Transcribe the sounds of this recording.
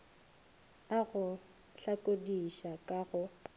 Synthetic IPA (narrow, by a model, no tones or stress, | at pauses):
aɣʊ | ɬakʼodiʃakʼaɣʊ